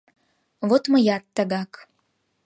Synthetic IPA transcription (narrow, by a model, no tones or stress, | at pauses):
βot̪məjɑt̪ːə̆ɣɑk